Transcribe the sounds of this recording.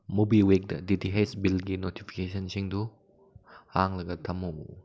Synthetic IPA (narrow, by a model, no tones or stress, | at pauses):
mubiwek̚dɐ̰didiɦejsbilɡinotʰipʰi̥kesɐnsiŋdu | haŋlɐɡɐtʰɐmo